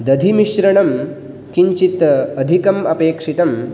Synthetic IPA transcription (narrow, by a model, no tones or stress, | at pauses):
d̪ɐd̪ʱimiʃɾɐɳɐm | kiɲt͡ʃit̪ɐɐd̪ʱikɐmɐpeːkʂit̪ɐm